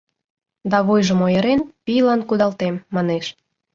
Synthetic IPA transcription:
d̪ɑβujʒəmojə̆ɾenpijlɑnkud̪ɑlt̪emːɑneʃ

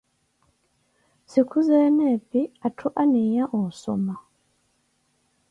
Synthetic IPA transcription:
sikʰuzeneːpiatʰuʔaniɲaʔuuso̰ma

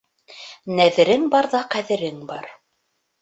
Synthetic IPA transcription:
næðɘ̆ɾɘŋbɑɾðɑqæðɘ̆ɾɘŋbɑɾ

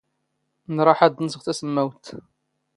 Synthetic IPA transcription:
nɾˤɑħad̪nəsəʁθæsəmːæwt̪

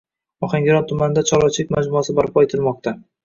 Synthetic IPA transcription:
ɒχaŋɡʲɪɾɒnt̪ʰʊmanɪd̪at͡ʃʰɒlɒt͡ʃʰɪlɪkʲmad͡ʒmʊasɪbaɾpʰɒet̪ʰɪlmɒq̚t̪ʰa

